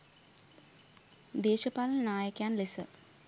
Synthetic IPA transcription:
d̪eːʃɐpaːlɐnnaːjɐkːjaːnlisɨ̰

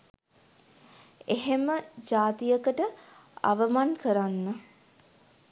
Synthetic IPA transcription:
eɦeməd͡ʒaːt̪ijəkəʈəa̰ʋəmankəɾanːə

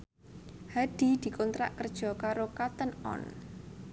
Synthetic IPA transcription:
haɖ̪̥i̤d̪̥i̤kɔnt̪ɾaʔkərd̥ʒ̥ɔ̤kaɾokat̪ənɔ̰n

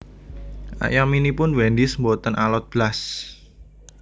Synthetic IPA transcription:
ʔa̰jaminipʊnwɛndismbot̪ənʔalɔt̪̚b̥las

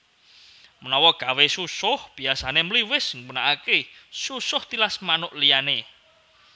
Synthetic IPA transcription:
mənɔwɔɡ̥a̤wesusʊhb̥i̤asanemliwɪsŋwənaʔakesusʊht̪ilasmanʊʔlijane

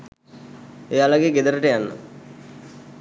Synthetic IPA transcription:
ejalaɡeːɡed̪əɾəʈəjanːə̰

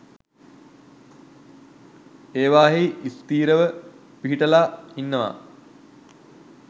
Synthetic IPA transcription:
eːʋaːɦiʔist̪iːɾəʋə | piɦiʈəlaːinːəʋa̰

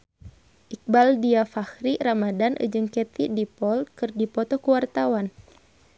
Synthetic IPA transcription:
ʔik̚baldiafahɾiramadanʔɨ̰d͡ʒɨŋkɛt̪idipɔlkɨrdipɔt̪ɔkuwart̪awan

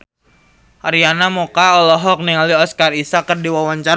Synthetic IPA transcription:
ʔaɾianamokaɔlɔɦɔk̚niŋaliɔskarisakərdiwawaɲt͡ʃa

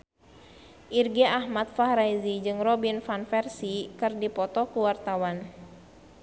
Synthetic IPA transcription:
ʔirɡɛahmat̪̚fahɾajzid͡ʒɨŋrɔbinfanfɛrsikɨrdipɔt̪ɔkuwart̪awan

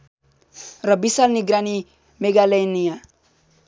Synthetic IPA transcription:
rʌbisalniɡrani | meɡalʌjnija

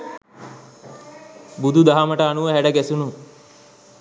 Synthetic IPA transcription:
bud̪ʱud̪aɦaməʈəanuʋəɦæɖəɡæsunu

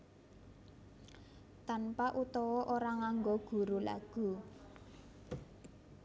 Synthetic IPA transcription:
t̪anpaʔut̪ɔwɔʔoɾaŋaŋɡoɡ̥ṳɾula̰ɡ̥ṳ

